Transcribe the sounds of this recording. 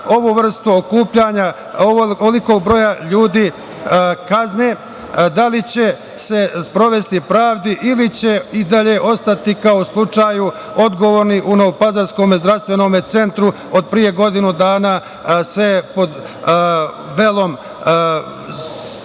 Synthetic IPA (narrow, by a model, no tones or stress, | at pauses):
oʋuʋr̩st̪uokuːpʎaɲa | okoliko̞ːɡ̚bɾo̞jaʎuːd̪iː | kazneː | d̪alit͡ɕe̞ | se̞spɾo̞ʋe̞st̪ipɾaːʋd̪iʔilit͡ɕe̞id̪aʎe̞ːʔo̞st̪at̪ikao̞slˠut͡ʃaːju | o̞d̪ɡo̞ʋoːɾniʔuno̞ʋopazaɾsko̞ːmezd̪ɾafst̪ʋe̞no̞ːmet̪se̞nt̪ɾu | od̪̚pɾije̞ɡo̞d̪inud̪aːnaː | se̞po̞d̪ | ʋe̞lˠo̞m